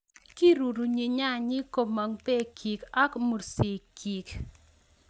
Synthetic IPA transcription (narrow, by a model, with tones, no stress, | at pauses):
ki˦ɾu˨ɾu˨ɲi˨ɲa˦ɲɪ˦ko˨ma˨ŋpe˦kʰi˨ka˦kmo˨ɾsi˨ki˨k